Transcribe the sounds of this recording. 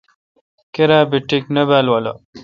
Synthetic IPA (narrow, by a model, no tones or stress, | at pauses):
keɾaːbiʈiknɐbaːlwalɐ̰